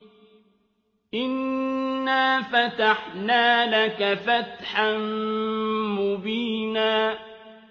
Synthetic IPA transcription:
ʔɪnː | aːfat̪aħnaːlakafat̪ħan | mʊbiːnaː

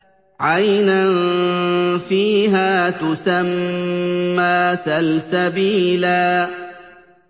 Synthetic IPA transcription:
ʕajnan | fiːɦaːt̪ʊsamː | aːsalsabiːlaː

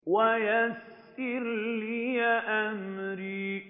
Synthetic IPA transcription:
wajas | ʔɪɾliːjaʔamɾiː

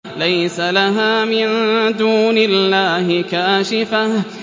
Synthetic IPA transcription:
lajsalaɦaːmɪnd̪uːnɪlːaːhɪkaːʃɪfah

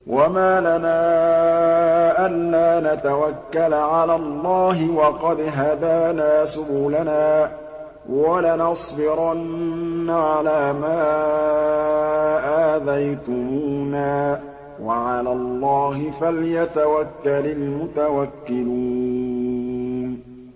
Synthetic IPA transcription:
wʔamaːlanaː | ʔalːaːnat̪awakːalʕalaːlˤːɑːɦɪwɑqɑd̪ɦad̪aːnaːsʊbuːlanaː | walanɑsˤbɪɾɑnːaʕalaːmaː | ʔaːðajt̪ʊmuːnaː | waʕalaːlˤːɑːhɪfaljat̪awakːalalmʊt̪awakːɪlu | n

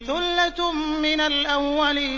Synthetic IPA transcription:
θʊlːat̪mɪnalʔamwalɪ

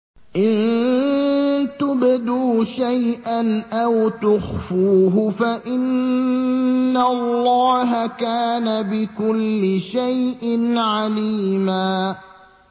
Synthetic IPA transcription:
ʔɪn | t̪ʊbd̪uːʃajʔanʔawt̪ʊxfuːɦʊfaʔɪn | alˤːɑːɦakaːnabɪkʊlːɪʃajʔɪnʕaliːmaː

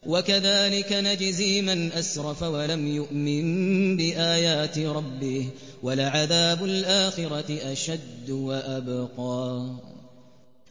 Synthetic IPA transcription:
wakaðaːlɪkanad͡ʒɪziːmanʔasɾˤɑfawalamjʊʔmɪnbɪʔaːjaːt̪ɪɾˤɑbːɪh | walʕaðaːbʊlʔaːxɪɾˤɑɪʔaʃad̪ːwaʔabqɑː

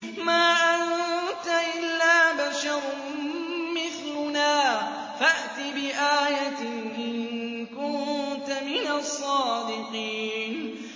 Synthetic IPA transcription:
maːʔant̪aʔɪlːaːbaʃɑɾˤ | mɪθlʊnaː | faʔt̪ɪbɪʔaːjat̪ɪ | ʔɪn | kʊnt̪amɪnasˤːɑːd̪ɪqiːn

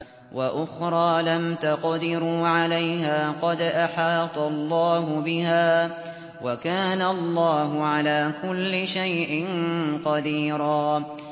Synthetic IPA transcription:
waʔʊxɾˤɑːlamt̪aqd̪ɪɾuːʕalajɦaːqɑd̪ʔaħɑːt̪ˤɑlˤːɑːɦʊbɪɦaː | wakaːnaɑllˤːɑːɦʊʕalaːkʊlːɪʃajʔɪnqɑd̪iːɾɑː

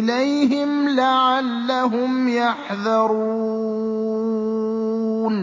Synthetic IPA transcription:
lajɦɪmlaʕalːaɦʊmjaħðɑɾuː | n

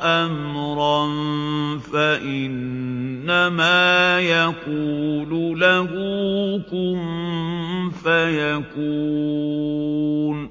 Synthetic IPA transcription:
ʔamɾɑnfaʔɪnː | amaːjakuːlulaɡukun | fajakuː | n

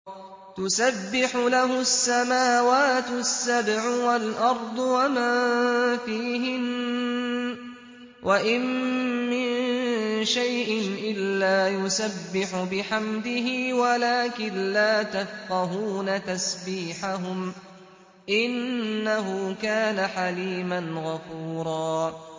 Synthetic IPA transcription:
t̪ʊsabːɪħʊlaɦʊsːamaːwaːt̪ʊsːabʕʊwalʔɑɾˤd̪ˤwamaːfiːɦɪn | wʔaʔɪnmɪn | ʃajʔɪnʔɪlːaːjʊsabːɪħʊbɪħamd̪ɪɦɪːwalaːkɪnlaːt̪afqɑɦuːnat̪asbiːħaɦʊm | ʔɪnnːaɦʊkaːnaħaliːmanɣafuːɾˤɑː

